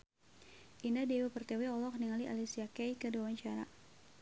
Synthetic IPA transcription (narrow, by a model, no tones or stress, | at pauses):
ʔindadewepərt̪eweɔlɔk̚niŋaliʔa̰lisiakɛjkədawaɲt͡ʃaɾa̰